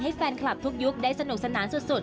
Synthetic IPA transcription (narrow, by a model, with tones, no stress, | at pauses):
ɦe˦˥t̚fɛː˧nkʰla˨˩p̚t̪ʰu˦˥k̚zu˦˥k̚ɗa˧˥jsa˧nːu˨˩k̚sa˧˩nːʔaː˨˦nsu˧˩t̚su˨˩